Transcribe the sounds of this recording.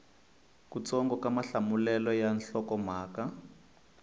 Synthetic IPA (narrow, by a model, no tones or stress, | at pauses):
kut͡sɔŋɡɔkamaɬamulɛlɔjanɬɔkɔmaːka